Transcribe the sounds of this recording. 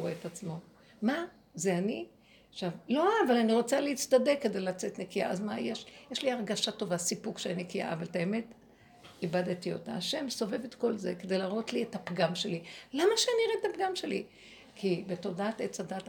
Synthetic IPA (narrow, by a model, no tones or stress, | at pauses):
eetat͡smo̞ | ma | zeani | aʃavlo̞aːvalaniʁo̞t͡saleit͡st̪ade̞kːed̪e̞jlat͡se̞tnekia̰ʔazmajeʃjeʃliaʁɡaʃato̞vasipukʃeaninekia̰avaltaeme̞t | ibadtio̞̰taːʃe̞mso̞ve̞vetko̞lze̞ked̪e̞jlaːʁo̞tliethapɡamʃe̞lilamaʃeaniʁetapɡamʃelḭ | kʰibeto̞daatett͡sadat